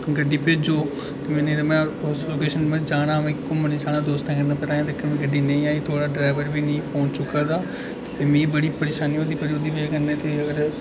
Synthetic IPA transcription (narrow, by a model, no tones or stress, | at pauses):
kɡəɖːiːped͡ʒoː | t̪eːmɛ̃ːned̪amɛ̃ːsloːkeːʃənmɛ̃d͡ʒaːɽ̃aːmɛ̃ːɪkːõmənẽd͡ʒaːnãːd̪oːst̪ãːkənːaːpɛɾaːjãːt̪eːkəmɛ̃ːɡəɖiːnẽĩːaːiːt̪ʰoːɽaːɖɾaːɪʋəɾʋiːnẽĩːpʰoːnt͡ʃʊkaːd̪aː | t̪eːmĩːbəɽiːpəɾeːʃaːniːoːd̪iːpəɾoːd̪iːpekənːẽːt̪eːəɡəɾ